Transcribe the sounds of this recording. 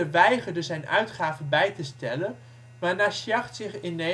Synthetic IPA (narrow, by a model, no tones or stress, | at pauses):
əʋɛjχəɹdəzɛjnœ̰ɥtχaːvənbɛjtəstɛlən | ʋaːɹnaːʃjɑχtsɪχɪne